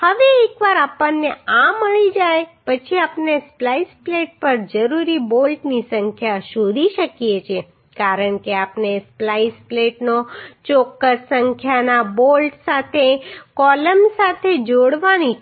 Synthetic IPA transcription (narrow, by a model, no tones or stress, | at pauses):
həʋeekʋaɾapənːeaməɭid͡ʒajpət͡ʃʰiapnesplaispleʈ̚pəɾd͡ʒəɾuɾibolʈnisə̃ŋkʰjaʃod̪ʱiʃəkijet͡ʃʰe | kaɾəɳkeapnesplajspleʈnot͡ʃokːəsːəŋkʰjanabolʈsat̪ʰekɔləmsat̪ʰed͡ʒoɽʋani